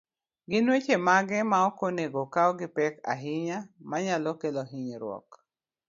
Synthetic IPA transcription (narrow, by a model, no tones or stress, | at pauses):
ɡɪnwet͡ʃemaɡɛmaɔkoneɡokaɔɡɪpɛka̰ɦɪɲamaɲalɔkeloɦiɲeɾwɔ̰k